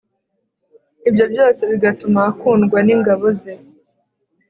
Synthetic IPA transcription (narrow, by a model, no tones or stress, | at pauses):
ibjo̞bjo̞ːse̞βiɡatumakuːnɡwaniːŋɡaβoze